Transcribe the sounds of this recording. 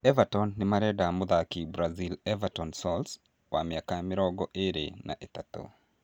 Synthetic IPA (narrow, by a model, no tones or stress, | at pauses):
ɛvatɔnːɪmaɾɛdamʊðakibɾazilɛvatɔnsɔls | wamɪakamɪɾɔɡɔʔeɾḛna̰ʔet̪at̪o̰